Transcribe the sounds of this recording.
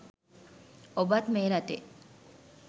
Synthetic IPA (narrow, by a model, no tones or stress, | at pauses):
obɐt̪meːɾɐt̪eʔ